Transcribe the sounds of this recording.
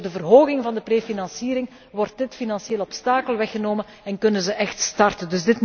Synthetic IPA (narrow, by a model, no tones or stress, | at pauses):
rdəvərɦoːɣɪŋvɑndəpreːfinɑnsiːɾɪŋ | ʋɔrt̚dɪtfinɑnsjeːlɔpstaːkəlˠʋɛxənoːmən | ɛnkɵnənzəʔɛxtstɑrtəndɵzdɪt